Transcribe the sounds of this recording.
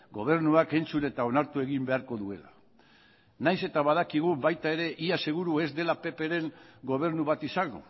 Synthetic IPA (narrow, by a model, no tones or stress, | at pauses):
ɡo̞β̞e̞ɾnuake̞nt͡sune̞t̪ao̞naɾt̪ue̞ɣimbe̞aɾko̞ðue̞la | najse̞t̪aβað̞akiɣ̞ubajt̪ae̞ɾe̞ʔiase̞ɣ̞uɾue̞zd̪e̞lape̞pe̞ɾe̞ŋɡo̞β̞e̞ɾnuβat̪isaŋɡo̰